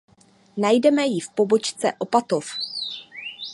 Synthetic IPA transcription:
najdɛmɛjɪfpo̞bo̞t͡ʃt͡sɛʔo̞pat̪o̞f

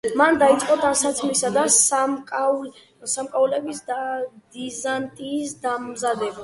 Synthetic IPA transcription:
mand̪ait̪sʼqʼɔd̪ansat̪sʰmisad̪asakʼ | samkʼaulɛbisd̪d̪izant̪ʼiːsd̪amzad̪ɛba

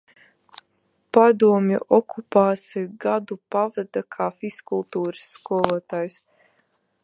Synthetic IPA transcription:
pad̪uɔmʲjṵʔɔkupaːt̪sʲijuɡad̪upavad̪akʰaːfiskulˠt̪uːɾɨ̥sːkuɔlˠuɔt̪aːjs

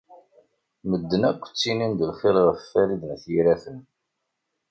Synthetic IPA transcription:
məd̪ːənækʷːt͡sːinind̪əlχɪlʁəθfæɾid̪ənθjiɾæθən

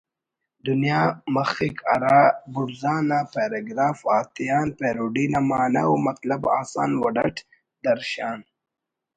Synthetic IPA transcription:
d̪unijaːmɐxikʰɐ̰ɾabuɾzaːnapeɾeɡɾaːfaːt̪ijaːnpeːɾuɖilamaːna̰wmɐt̪lɐba̰ːsa̰ːnwɐɖɐʈ | d̪ɐɾʃaːn

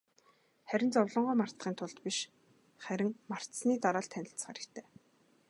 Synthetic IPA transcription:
χæɾʲɪ̆nt͡sɔwɮɞ̆ɴɢʊːmar̥t̪ʁiːnt̪ʰʊɮt̪piʃ | χæɾʲɪ̆ŋmar̥t̪sniːt̪aɾaːɮt̪ʰːænʲɪ̆ɬt͡sχa̰ɾɘ̆kt̪ʰeː

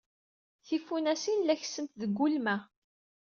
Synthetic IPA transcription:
θifunæsinlæçsəmt̪ðəɡʷːulmæ

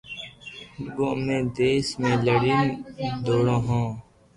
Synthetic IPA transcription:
boːmẽːd̪eːsmẽːləɽind̪oːɽãːɦõː

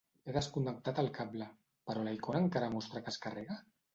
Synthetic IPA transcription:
eðaskund̪ak̚t̪at̪alkabla | paɾolaikonaŋkaɾamost̪ɾakaskareɣa

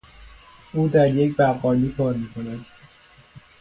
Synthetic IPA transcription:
uːd̪æɾjek̚bæːqɒːliːkʰɒːɾmiːkʰonæd̪

